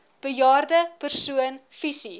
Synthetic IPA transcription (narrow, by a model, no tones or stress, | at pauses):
b̥əjɑːrdəpərsuənfisi